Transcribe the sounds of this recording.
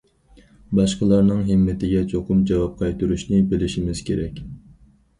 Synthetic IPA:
bɑʃqəlˠɑɾnɨŋɦɪmːɪt̪ʰɪɡʲɛt͡ʃʰoqʰʊmd͡ʒɑwɑp̚qʰɑjt̪uɾuʃnɪbɪlɪʃimɪz̥kʲʰeɾɛkʲ

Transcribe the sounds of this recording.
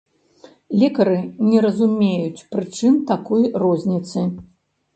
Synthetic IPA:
lʲɛkɐɾɨnʲɛɾɐzumʲejut͡sʲpɾɨt͡ʂɨmt̪akɔjrɔzʲnʲit̪sɨ

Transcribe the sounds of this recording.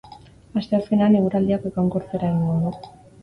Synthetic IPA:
ast̪e̞aske̞neaneɣuɾald̪iakekawŋko̞ɾt͡seɾaiŋɡoðu

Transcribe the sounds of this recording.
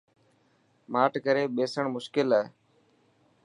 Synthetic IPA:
maːʈkəɾeːɓeːsəɳmʊʃkɪlaːɦeː

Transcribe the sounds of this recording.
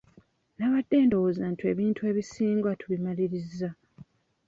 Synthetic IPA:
naβadːe̞ːndo̞wozantʰue̞ːβiːntʰue̞ːβisiːŋɡwatuβimaliɾizːa

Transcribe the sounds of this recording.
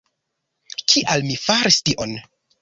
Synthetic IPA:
kʰiʔalmifaɾistiʔon

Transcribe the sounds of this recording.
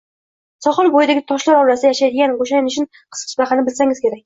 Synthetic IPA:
sɒχɨlˠbojɪd̪aɡʲɪt̪ʰɒʃlaɾɒɾasɪd̪ajaʃajd̪ɪɡʲanqoʃajanʊʃʰɪn | qʰɨ̥sqʰɨ̥ʃbaχanɪbɪlsaŋɪz̥kʲʰe̞ɾakʲ

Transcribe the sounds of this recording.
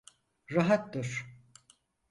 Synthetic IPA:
ɾaɦat̪d̪ɯɾ̥

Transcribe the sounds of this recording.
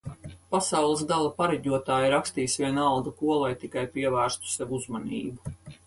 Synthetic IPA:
pasawlˠɨs̬ɡalˠapaɾɛɟuɔt̪aːjɾakst̪iːsvʲiɛnalˠd̪ukuɔlˠajt̪ikajpiɛvæːɾst̪u̥sɛvuuzmanḭːbu

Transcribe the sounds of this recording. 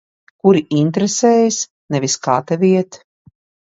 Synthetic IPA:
kuɾiʔint̪ɾɛsɛːjis | nɛvʲiskaːt̪avʲiɛt̪

